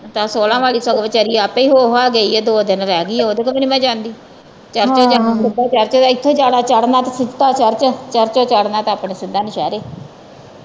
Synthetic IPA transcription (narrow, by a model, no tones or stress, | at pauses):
t̪ãːsoːlãːʋaːliːsoɡʋət͡ʃəɾiːaːpːiːɦoːɦaːɡeiːɛːd̪oːd̪ɪnɾɛːɡiːɛːoːd̪eːkəmənimɛ̃ːd͡ʒãːnd̪iː | t͡ʃəɾt͡ʃaːd͡ʒanaːssɪd̪aːt͡ʃəɾt͡ʃoːt̪aɪt̪ʰːõːd͡ʒaːɽaːt͡ʃəɽnaːt̪asɪd͡ʒt̪aːt͡ʃəɾt͡ʃt͡ʃəɾt͡ʃoːt͡ʃəɽnaːt̪aaːpɳeːsɪd̪aːnɪʃɛːɾeː